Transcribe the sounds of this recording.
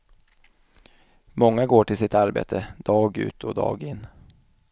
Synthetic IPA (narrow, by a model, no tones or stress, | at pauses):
mɔŋːaɡoːʈɪlsɪt̪aɾbḛːt̪ʰəd̪̥ɑːɡʉ̟̰ːt̪ʰɔd̪ɑ̰ːɡɪnː